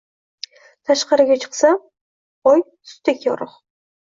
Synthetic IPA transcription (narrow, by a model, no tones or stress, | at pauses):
t̪ʰɑʃqɑɾɨɡʲat͡ʃʰɨ̥qsɑ | oj | sʊ̥t̪ekʲʰoɾʊχ